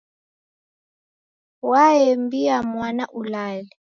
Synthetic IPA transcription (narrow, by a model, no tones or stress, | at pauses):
waɛmbiamwanaʔulalɛ